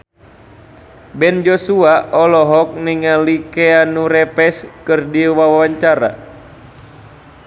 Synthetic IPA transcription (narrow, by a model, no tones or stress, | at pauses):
bɛnd͡ʒɔsuaʔɔlɔɦɔk̚niŋalikɛanuɾɛpɛskɨrdiwawawaɲt͡ʃaɾa̰